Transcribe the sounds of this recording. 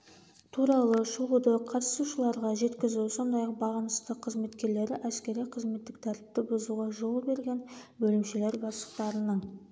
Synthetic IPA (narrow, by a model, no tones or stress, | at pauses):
t̪ʰuɾɑlˠəʃuud̪əqʰɑt̪əsuʃəlˠɑɾʁɑʒe̞t̪kʲɪzuso̞nd̪ɑjɑq̚bɑʁɑnəst̪əqʰːəzme̞t̪kʲe̞ɾle̞ɾɪʔæskʲe̞ɾijqʰəzme̞t̪ːɪk̚t̪ʰæɾt̪ɪ̥p̚t̪ɪbozuʁɑʒo̞lˠbe̞ɾɡʲe̞nbɵlɪmʃele̞ɾbɑslˠəqt̪ɑɾənəɴ